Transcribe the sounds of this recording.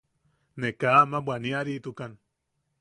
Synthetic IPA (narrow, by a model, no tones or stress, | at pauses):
nekaːmabʷwaniaɾiʔt̪ukan